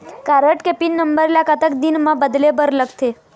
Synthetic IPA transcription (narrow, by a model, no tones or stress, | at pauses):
kaɾəʈkepinːəmbəɾlakat̪əkd̪inmãbəd̪lebəɾləɡt̪ʰe